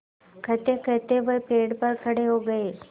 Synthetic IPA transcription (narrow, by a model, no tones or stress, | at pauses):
kʰət̪ekʰət̪eʋəpeɽpəɾkʰəɽeɦoɡəe